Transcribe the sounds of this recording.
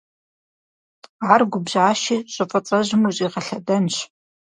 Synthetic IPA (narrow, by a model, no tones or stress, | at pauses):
arɡʷʊbʑʕaːʃiːɕʷʼɐfʼɐt͡sʼɐʑmuɕʼiːʁɐɬɐdɐnɕ